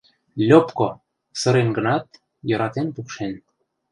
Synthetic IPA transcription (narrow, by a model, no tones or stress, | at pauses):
lʲopko | sɤ̆ɾenɡɤ̆nɑt̪̚ | jɤ̆ɾɑt̪enpukʃen